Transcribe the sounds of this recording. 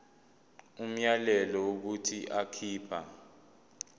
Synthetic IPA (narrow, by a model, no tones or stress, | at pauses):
um̩jalɛlɔuk̬utʰiʔakʰiːpʰa̰